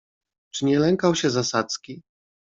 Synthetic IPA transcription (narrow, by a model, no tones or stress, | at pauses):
t͡ʂɘɲɛlɛŋkawɕɛzasat̪skʲi